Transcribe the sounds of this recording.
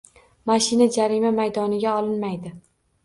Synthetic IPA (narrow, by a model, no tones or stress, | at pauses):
maʃɪnad͡ʒaɾimamajd̪ɒnɪɡʲaɒlˠɪnmajd̪ɪ